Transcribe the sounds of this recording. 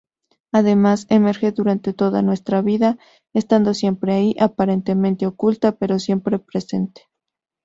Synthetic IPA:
aðe̞maseme̞ɾxeðuɾant̪e̞t̪o̞ða̰nwe̞st̪ɾaβiða | est̪and̪o̞sje̞mpɾeaiʔapaɾent̪e̞mẽnt̪e̞okult̪ape̞ɾo̞sje̞mpɾe̞pɾe̞se̞nt̪e̥

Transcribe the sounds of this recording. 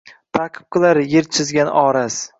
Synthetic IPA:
t̪ʰaqʰɨ̥p̚qʰɨlˠaɾjeɾt͡ʃʰɪzɡʲanɒːɾas

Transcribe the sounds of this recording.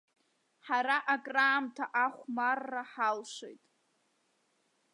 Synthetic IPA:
ħaɾaʔakʼraːmtʰaʔaχʷmarːaħalʃʷḛjtʼ

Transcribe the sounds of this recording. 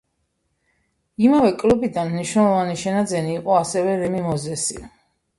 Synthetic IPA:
imavɛkʼlubid̪anmniʃnɛlˠɔvaniʃɛnad̪zɛniːqʼɔasɛvɛɾɛmimɔzɛsḭ

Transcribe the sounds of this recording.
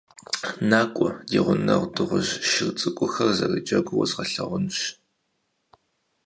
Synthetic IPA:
naːkʷʼɔdiːʁʷʊnɐʁʷdɨʁʷʊʑʃɪrt͡sʼɨkʷʼʊxɐrzɐrid͡ʒɐɡʷʊwɔ̰zʁɐɬɐʁʷʊnɕ

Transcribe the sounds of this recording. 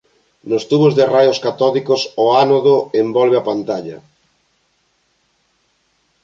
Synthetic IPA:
nost̪uβozðɪrajoskat̪ɔlikosoanoðoembɔlβ̞eapant̪aʎɐ̰

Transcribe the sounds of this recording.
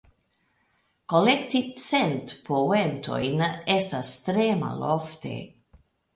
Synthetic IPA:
kolekt̪it͡sent̪pʰowent̪ʰo̰jnest̪ast̪ɾema̰loft̪e̞̰

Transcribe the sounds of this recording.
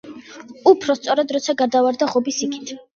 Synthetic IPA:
upʰɾɔst̪sʼɔɾad̪ɾɔt̪sʰaɡaɾd̪avaɾd̪aʁɔbisikʰi̥t̪ʰ

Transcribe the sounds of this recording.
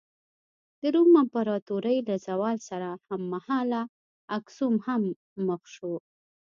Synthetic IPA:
d̪̥əɾumampaɾɑt̪uɾəjlazawɑlsaɾahamːahɑla | aksumhamː | əxʃo

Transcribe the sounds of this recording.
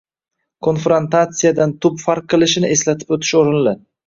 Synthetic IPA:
kʰo̞nfɾont̪at̪sɨjad̪ant̪ʰʊpfaɾq̚qːɨlˠɪʃɪnɪʔe̞slat̪ʰɪ̥pɵt̪ʰɪ̥ʃoɾɪnlɪ

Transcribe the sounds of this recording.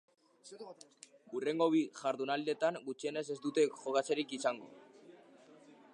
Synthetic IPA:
ure̞ŋɡo̞βiʝaɾðunald̪e̞t̪aŋɡut͡ʃiene̞se̞zd̪ut̪e̞ʝo̞ɣat͡seɾikisaŋɡo̞̰

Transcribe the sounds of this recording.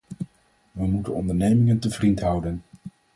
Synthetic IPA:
ʋəmutənɔndəɹnejmɪŋəntəvrintɦʌwdən

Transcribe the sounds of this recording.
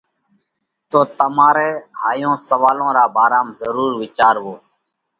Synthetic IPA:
t̪oːt̪əmaːɾeːhaːjõːsəʋaːlõːɾaːbaːɾaːmzəɾuːɾʋɪt͡ʃaːɾʋoː

